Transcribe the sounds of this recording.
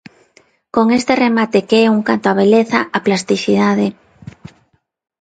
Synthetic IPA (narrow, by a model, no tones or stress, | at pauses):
koŋest̪eremat̪ekeɛuŋkant̪oaβ̞eleθaʔaplast̪iθið̞aðe